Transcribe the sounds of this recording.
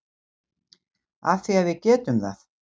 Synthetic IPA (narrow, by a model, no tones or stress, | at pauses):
aθiaðvɪðcɛːt̪ʏmθa̰θ